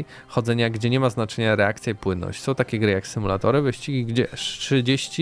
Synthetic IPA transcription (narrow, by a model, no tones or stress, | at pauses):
xɔd̪zɛɲaɡd͡ʑɛɲɛmaznat͡ʂɛɲaɾɛakt̪sʲjaipwɘnːɔ̰ɕt͡ɕʲsɔ̃w̃t̪akʲɛɡɾɘjaksɘmulat̪ɔɾɘvɘɕt͡ɕiɡʲiɡd͡ʑɛʂʂɘd͡ʑeɕt͡ɕi